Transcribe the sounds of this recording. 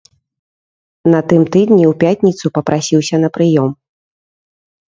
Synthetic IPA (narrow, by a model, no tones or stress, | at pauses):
nɐt̪ɨmt̪ɨd̪nʲiupʲat̪ʲnʲit̪supɐpɾasʲiwsʲɐnɐpɾɨjɔm